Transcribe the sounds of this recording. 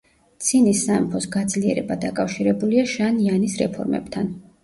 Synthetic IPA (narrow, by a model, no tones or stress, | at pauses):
t̪sʰinisːaɛmpʰɔsɡad̪zliɛ̰ɾɛbad̪akʼafʃiɾɛbuliaʃanianisɾɛpʰɔ̰ɾmɛ̰b̥t̪ʰan